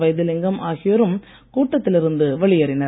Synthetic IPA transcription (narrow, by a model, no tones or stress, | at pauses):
ʋɐɪjðɯlɪŋɡɐmʔaːɣɪjɐɾɯm | kuːʈːɐt̪ːɪlɪɾɯnd̪ɯʋɐɭɪjɐɾɪnɐɾ